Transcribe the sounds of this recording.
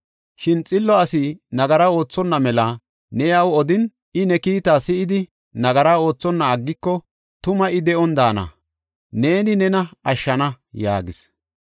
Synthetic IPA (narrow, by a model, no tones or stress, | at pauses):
ʃɪnt͡sʼɪlːɔɐsɪnɐɡɐɾao̞ːt͡sːɔnːɐmɛlɐ | nɛjɐwɔd̪ɪn | ɪnɛkiːt̪aːsɪʔɪd̪ɪ | nɐɡɐɾaːo̞ːt͡sːɔnːɐːɡːɪkːɔ | t̪ʊmɐʔɪd̪ɛʔɔnd̪aːnɐ̰ | ne̞ːnɪnɛnɐɐʃːɐnɐ | ja̰ːɡɪs